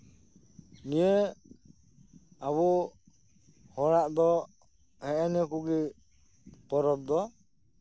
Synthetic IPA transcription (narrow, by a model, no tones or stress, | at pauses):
nijɛ | aβɔ | hɔɽaʔd̪ɔ | hɛʔɛnɛkuɡi | pɔɾɔp̚d̪ɔ